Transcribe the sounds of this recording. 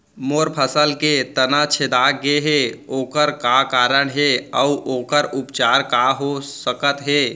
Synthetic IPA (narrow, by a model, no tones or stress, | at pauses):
moːɾpʰəsəlket̪ənat͡ʃʰed̪aɡeɦeoːkəɾkakaːɾəɳɦeəuʔoːkəɾʊpt͡ʃaːɾkaɦosəkət̪ɦeː